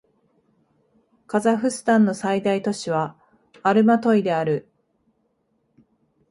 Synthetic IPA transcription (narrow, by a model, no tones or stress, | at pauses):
kazaɸɯ̟sɨ̥t̪ãnːo̞said̪ait̪o̞ɕiβaː | ɾɯ̟mat̪o̞id̪e̞aɾɯ̟